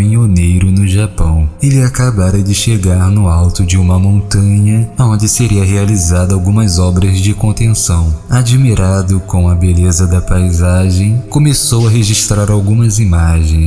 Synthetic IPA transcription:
iɲonejɾʊnʊʒapɐ̃w̃elɪakabaɾɐd͡ʒɪʃeɡaɾnʊawt̪ʊd͡ʒɪũmɐmõnt̪ɐ̃ɲɐaõnd͡ʒɪseɾiɐɦealizad̪ʊawɡũmɐzɔbɾɐzd͡ʒɪkõnt̪ẽsɐ̃w̃ad͡ʒimiɾad̪ʊkõw̃ɐbelezɐd̪ɐpajzaʒẽj̃kõmesowɐɦeʒiʃt̪ɾaɾawɡũmɐzimaʒẽj̃

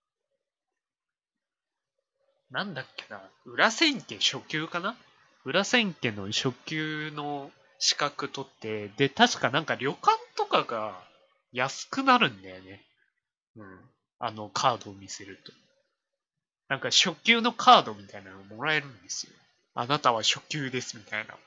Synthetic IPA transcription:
nãnd̪akːe̞naɯ̟ɾasẽ̞ŋke̞ɕo̞kʲɨːkana | ɯ̟ɾasẽ̞ŋke̞no̞ɕo̞kʲɨːno̞ | ɕi̥kakɯ̟t̪o̞t̪ːe̞d̪e̞t̪aɕi̥kanãŋkaɾʲo̞kãnt̪o̞kaɡa | jasɨ̥kɯ̟naɾɯ̟̃nd̪ajone̞ | ɯ̟̃ːɴ | a̰no̞kʰaːd̪o̞ːmʲise̞ɾɯ̟t̪o̞̥ | nãŋkaɕo̞kʲɨːno̞kʰaːd̪o̞mʲit̪ainanoomo̞ɾae̞ɾɯ̟̃nd̪e̞sɨ̥jo̞̰ | a̰nat̪aβ̞aɕo̞kʲɨːd̪e̞sɨmʲit̪aina̰

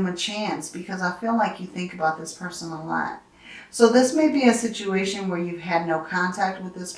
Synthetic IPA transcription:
mɨt͡ʃʰæ̃nsb̥ɨkʰʌzaɪfilaɪkjɨθɪ̃ŋkɨbaʊt̪̚ðɪspʰɜ˞sə̃n̩l̩ˠlã̰ɪ̃n | soʊðɪsmeɪbiɨsɪt͡ʃueɪʃɨ̃nwə˞jʉv̥ɨdⁿnoʊkʰɑ̃ntʰæk̚t̚wɨðɪsp

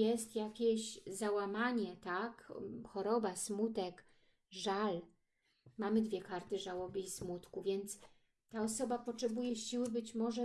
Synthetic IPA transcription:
jɛst̪jakʲeɕzawamaɲɛt̪akxɔɾɔbasmut̪ɛk | ʐal | mamɘd̪vʲjɛkaɾt̪ɘʐawɔbɘismut̪kuvʲjɛnt̪s | t̪aɔsɔbapɔtʂɛbujɛɕiwɘbɘt͡ɕmɔʐɛ

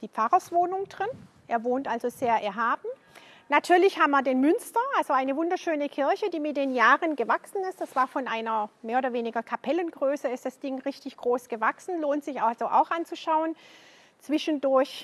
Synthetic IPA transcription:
d̥iːp͡faʁɐsv̥oːnʊŋd̥ʁɪn | ʔeːɐvoːntʔalzozeːɐʔɛɐɦaːb̥m̩ | natʰyːɐlɪçhaːbmiɐdeːnmʏnstɐʔalzoʔaɪnəvʊndɐʃøːnəkʰɪɐçəd̥iːmɪt̚d̥eːnjaːʁənɡəvaksn̩ɪstd̥asv̥aːɐfɔnʔaɪnɐmeːɐoːdɐveːnɪɡɐkʰapʰɛlənɡ̥ʁøːsəɪstd̥asd̥ɪŋʁɪçtɪçɡ̥ʁoːsɡ̥əvaksn̩loːntz̥ɪçaz̥oʔa̰ʊxʔant͡suʃaʊən | t͡sv̥ɪʃən̩dʊɐç

